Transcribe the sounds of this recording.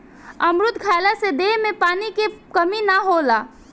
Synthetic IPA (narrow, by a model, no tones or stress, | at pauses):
əmɾʊt̪kʰaːlased̪emẽpaːnikekəminaɦolaː